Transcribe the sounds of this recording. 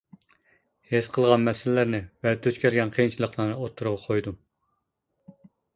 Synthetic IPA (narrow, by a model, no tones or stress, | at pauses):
hesqʰəlˠʁɑnmɛsɪlɪlæɾnɪvɛt̪ʰøt͡ʃ̪kʲʰælɡʲɛnqʰejint͡ʃʰilˠəqlˠɑnɨot̪ʰːuɾʊʁɑqʰojd̪um